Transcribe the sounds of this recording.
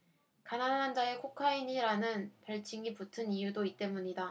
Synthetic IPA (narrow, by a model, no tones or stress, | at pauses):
kanannand͡ʑae̞kʰokʰaiɲiɾanɯnpaɭt͡ɕʰiŋiputʰɯnijudoit̚t͈e̞muɲida